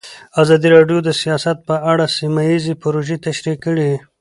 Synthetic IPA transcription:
azɑd̪iɾɑɖjod̪əsijɑsat̪̚pəʔaɽasimajizepʊɾoʒet̪aʃɾikːəɽi

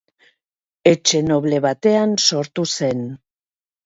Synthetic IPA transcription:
e̞t͡ʃe̞no̞βle̞βat̪e̞anso̞ɾt̪use̞n

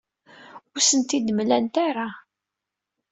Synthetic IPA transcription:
ʊɾsənt̪id̪əmlænt̪aɾˤa

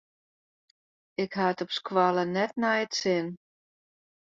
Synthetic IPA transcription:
ɪkɦaətɔpskwalənɛt̚nɛjətsɪn

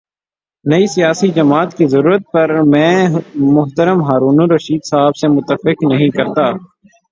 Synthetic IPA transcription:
nɐisijaːsid͡ʒɐmaːt̪kizɐɾuːɾət̪̚pɐɾmɛ̃ːmʊɦt̪əɾəmɦaːɾuːnuɾɐʃiːd̪saːbsemʊt̪ːəfɪknɐɦĩkɐɾt̪aː

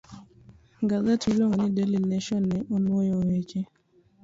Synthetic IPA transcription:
ŋɡazatʰuloŋonɪdelineʃɔnːɛʔonwojowet͡ʃe

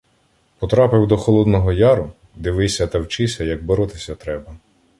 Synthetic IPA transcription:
pɔt̪ɾɑpɪwd̪ɔxɔlˠɔd̪nɔɦɔjɑɾʊ | d̪ɪʋɪjsʲɐt̪ɐwt͡ʃɪsʲɐjɐɡ̚bɔɾɔt̪ɪsʲɐt̪ɾɛbɐ

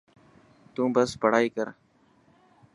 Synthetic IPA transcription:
t̪ũːbəspəɽ̤aːiːkəɾ

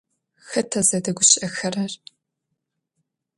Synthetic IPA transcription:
xɐtʰɐzɐdɐɡʷʊɕɪʔɐxɐrɐr

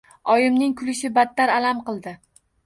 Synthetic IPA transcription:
ɒjɪmnɪŋkʰʊlɪʃɪbat̪ːaɾalamqɨlˠd̪ɪ

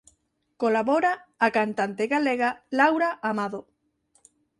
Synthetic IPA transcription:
kolaβoɾaːkant̪ant̪eɣaleɣalawɾaʔamaðo

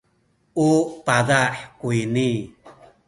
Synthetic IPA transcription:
upaðaħkuini

